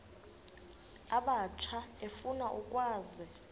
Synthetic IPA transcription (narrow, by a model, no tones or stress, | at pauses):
aɓat͡ʃʰaefunaʔukʼwaːzɛ